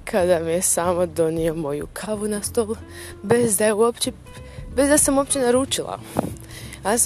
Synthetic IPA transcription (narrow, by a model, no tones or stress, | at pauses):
kʰad̪amijesaːmod̪o̞nio̞mo̞jṵkʰaʋunast̪o̞lˠ | be̞zd̪ajeuopt͡ɕe | be̞zd̪asamuo̞pt͡ɕenaɾuːt͡ʃilˠa̰ | a